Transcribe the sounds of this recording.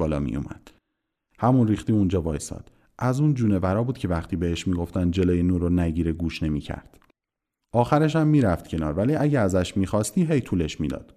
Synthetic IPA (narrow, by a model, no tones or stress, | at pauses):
ɒːlɒ̰ːmḭjo̰mæ̰d̪̥ | hæmunriːxt̪iːund͡ʒɒːbɒːjsɒ̰ːd̪̥ | ʔæzuːnd͡ʒuːnevæɾɒːbuːd̪̥cʰe̞væχt̪ʰiːbeheʃmiːɡoft̪ænd̪d͡ʒe̞loːjenuːɾonæɟiːɾeɡuːʃne̞miːcʰæ̰ɾd̪̥ | ɒːxæɾeʃ̬æmːiːɾæft̪cʰe̞nɒːɾvæliːʔæɟeæzæʃmiːxɒːst̪iːɦe̞jt̪ʰuːleʃmiːd̪ɒ̰ːd̪̥